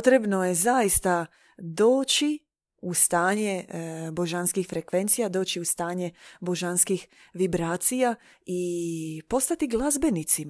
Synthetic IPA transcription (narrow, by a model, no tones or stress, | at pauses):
t̪ɾe̞bno̞je̞zajist̪a | d̪o̞ːt͡ɕi | ust̪aːɲe̞bo̞ʒanskixfɾekʋe̞nt̪sijad̪o̞ːt͡ɕiust̪aːɲebo̞ʒanskix | ʋibɾaːt̪sija | ipo̞st̪at̪iɡlˠazbe̞nit̪sim